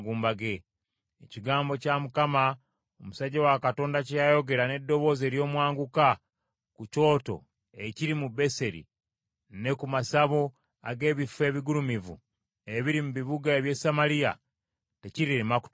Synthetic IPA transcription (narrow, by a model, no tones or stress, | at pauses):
ɡuːmbaɡe̞ː | ciɡaːmbo̞camukama | omusaɟawakato̞ːndacijajo̞ɡe̞ɾane̞dːo̞βo̞ːze̞ːɾjo̞ːmwaːŋɡuka | kuco̞ːto̞̰ | eciɾimube̞se̞ɾḭ | ne̞kumasaβo | a̰ɡe̞ːβife̞ːβiɡuɾumivṵ | eβiɾimuβiβuɡaeβje̞samaɾija̰ | te̞ciɾiɾemaku̥